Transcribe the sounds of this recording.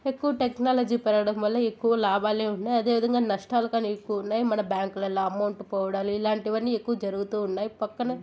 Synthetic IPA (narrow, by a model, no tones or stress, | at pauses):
e̞kːuʋɐʈeknaːlɐd͡ʒiːpɛɾɐɽɐmʋɐlːɐekːuʋɐlaːbaːleːuɳːaːjɐd̪e̞ːʋid̪ɐŋɡaːnɐʂʈaːlɐkaːniekːuʋunːaːjimɐnɐbjaːŋkulɛlːaːɐmɐwɳʈpɔːʋɐɽaːliːlaːɳʈiʋɐnːiekːuʋɐd͡ʒɐɾuɡut̪uːunːaːjipɐkːɐnɐ